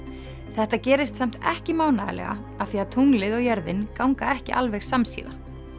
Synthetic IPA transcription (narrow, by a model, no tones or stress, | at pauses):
θɛht̪acɛːɾɪst̪sam̥t̪ɛ̰hcɪmaːwnaðɪ̰lɛ̰ɣa̰ | afθiaðt̪ʰuŋlɪðɔɣjɛɾðɪnkawŋkaɛhcɪ̰ʔalvɛxsamsḭːða